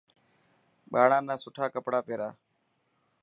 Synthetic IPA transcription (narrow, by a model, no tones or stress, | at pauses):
ɓaːɽãːnãːsʊʈʰaːkəpɽaːpeːɾaː